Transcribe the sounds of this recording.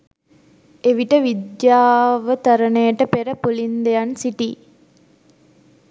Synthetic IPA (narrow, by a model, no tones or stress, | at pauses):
eʋiʈəʋid̪jaːʋət̪ɐɾənəjəʈəpeɾəpulind̪ejansiʈiː